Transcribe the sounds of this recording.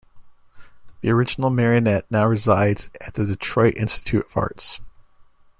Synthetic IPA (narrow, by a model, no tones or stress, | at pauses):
ðiə˞ɪd͡ʒn̩l̩ˠmɛɹiɨnɛtⁿnaʊɹɨzaɪdz̥ɨt̪̚ðɨdɨtʰɹ̥ɔɪɾʔɪ̰̃nstɨ̥tʰʉɾʌv̥ɑ̰ɹts